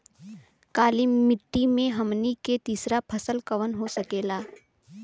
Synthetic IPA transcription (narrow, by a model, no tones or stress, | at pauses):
kaːlɪmːɪʈːimẽɦɐmniket̪iːsɾapʰɐsəlkɐʋənɦosɐkeːlaː